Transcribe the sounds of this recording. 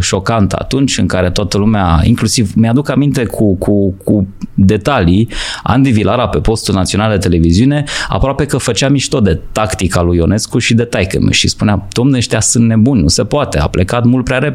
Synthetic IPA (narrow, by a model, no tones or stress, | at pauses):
ʃo̞kant̪ə̰a̰t̪unt͡ʃʲɨŋkaɾe̞t̪oat̪əlumeaḭŋklusivmjad̪ukamint̪e̞kʰukʰukʰud̪e̞t̪alia̰nd̪ivilaɾape̞po̞st̪ulnat̪sio̞nald̪e̞t̪ele̞viziune̞a̰pɾoape̞kəfət͡ʃeamiʃt̪ot̪d̪e̞t̪akt̪ikalujo̞ne̞skuʃid̪e̞t̪ajkə̰m̰ʃḭspunead̪̥o̞mneʃt̪iasɨnt̪ne̞bunʲnuse̞poat̪e̞a̰ple̞kat̪mult̪̚pɾeaɾe̞p